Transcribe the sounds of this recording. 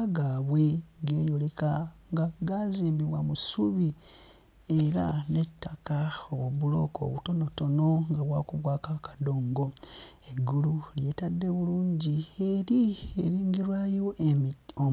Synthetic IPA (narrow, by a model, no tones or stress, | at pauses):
ɡaːβwe̞ɡe̞ːjolekaŋɡaɡaziːmbiβwamusuβi | e̞ɾa̰ne̞tʰːakaoβoβulo̞̰ko̰βuto̞no̞to̞no̞ŋɡaβwaːkuβwaːkakḁdo̞ːŋɡo̞e̞ɡululje̞ːtadːe̞βuluːɲɟie̞ɾieɾiːŋɡiɾwajo̞ʔo